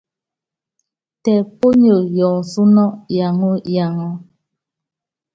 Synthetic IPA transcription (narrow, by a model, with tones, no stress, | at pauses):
tɛ˨po˦ɲo˨jɔ˨su˦nɔ˦ja˨ŋo˦ja˨ŋɔ˦